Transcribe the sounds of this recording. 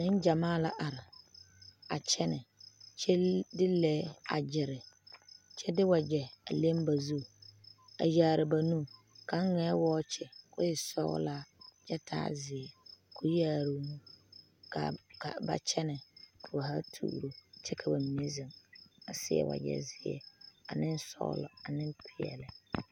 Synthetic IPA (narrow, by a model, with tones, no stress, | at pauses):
nɪ˦n˦d͡ʒa˨maː˦˨la˦ʔa˨ɾɪ˨ | a˨t͡ʃʰɛ˦nɪ˨t͡ʃɛ˦dɪ˦lɛː˦a̰˨d͡ʒɪ˨ɾɪ˨ | t͡ʃʰɛ˦dɪ˦wa˨d͡ʒɛ˨a˨le˦mba˨zu˦˨a̰˨jaː˨˦˨ɾɪ˨ba˨nu˦ | ka˨˦ŋɛː˨˦wɔː˦t͡ʃʰɛ˨kʊ˦ɪ˨sɔ̰˦ɣʊ̰˦laː˦d͡ʒɛ˦tʰa̰ː˦zɪ˨ɛ˨kʰʊ˦jaː˦˨ɾu˨˦mũ˦ | ka̰˨ka̰˨ba̰˨t͡ʃʰɛ˦nɪ˨kʰa˨ba˨ɦa˦tʰṵː˦˨ɾo˨t͡ʃɛ˦kʰa˨ba˨mi˨e˦zɪ˨ŋa˨sɪ˦ɛ̰˦˨wa̰˨jɛ̰˦zɪ˨˦ɛ̰˦a˨nɪ˦n˦sɔ̰˦ɣ̰lɔ̰˨a˨nɪ˦npʰɪ˨ɛ̰˨lɪ˨